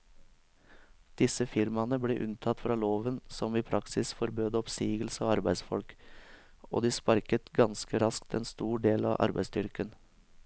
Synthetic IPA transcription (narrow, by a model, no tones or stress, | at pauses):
d̪̥ɪsəfɪɾmɑnəbleːʔʉnt̪ʰɑt̪fɾɑːloːʋənsɔmiːpʰɾʔɑksɪsfɔɾbøːd̪əɔpsiːɡəl̩səoːɑɾbæɪsfɔ̰lk | o̰ːd̪iːspɑɾkət̪ɡɑnskəɾɑskt̪ɛnst̪uːɖeːlɑ̰ːʔɑ̰ɾbæ̰ɪsd̪ʏɾkən